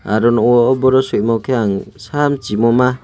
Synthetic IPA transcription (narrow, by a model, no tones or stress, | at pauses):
a̰ɾɔnɔwɔɔbɔɾɔsuc̚mɔkʰeaŋsamt͡ʃimɔma